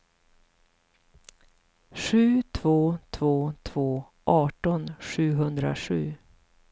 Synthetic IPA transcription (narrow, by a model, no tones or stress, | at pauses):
ɧʉ̟ːt̪ʰvoːt̪ʰvoːt̪ʰv̥oː | ʔɑːʈɔnɧʉ̟ːɦɵnd̪ɾa̰ʂʉ̟ː